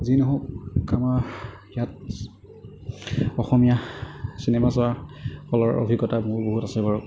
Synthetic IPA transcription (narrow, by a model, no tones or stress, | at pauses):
zinɔɦɔkkːama | ijat̚ | ɔxɔmijasinɛmasɔaxɔlɔɹɔ̰bʱiɡɔtamʊɹboɦutasɛbaɹʊ